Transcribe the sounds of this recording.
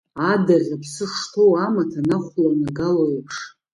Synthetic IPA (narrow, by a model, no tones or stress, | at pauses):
adarʲapʰsɨʂtʰo̞wamatʰanaχʷlanaɡalojapʰʂ